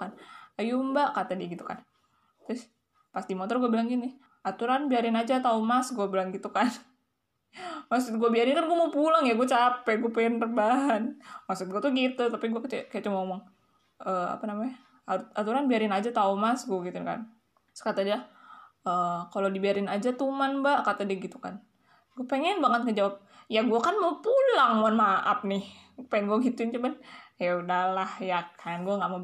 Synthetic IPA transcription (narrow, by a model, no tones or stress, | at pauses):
kanajumbakat̪adiaɡit̪uka̰n | t̪ɾʊs | past̪imot̪ɔrɡuabilaŋɡini | at̪uɾanbiaɾɪnad͡ʒat̪aumasɡuabilaŋɡit̪ukan | maks̬ut̪̚ɡuabiaɾɪnkanɡuamopulaŋjaɡuat͡ʃapɛɡuapɛɛnərbaɦanmaksʊt̪̚ɡuat̪uɡit̪ut̪apiɡuakt͡ʃɛkajat͡ʃumaomɔŋ | əa̰panamaɲa | aat̪uɾanbiaɾɪnad͡ʒat̪aumasɡuaɡit̪uɪnka̰n | skat̪adiaəkalodibiaɾɪnad͡ʒat̪umanbakat̪adiaɡit̪uka̰n | ɡuapeŋɛnbaŋət̪̚kəd͡ʒawap̚jaɡuakanmapulaŋmoanmaʔap̚nɪhpaɪnɡuaɡit̪uɪnt͡ʃumanjaudalahjakʰajanɡuaŋɡaʔmo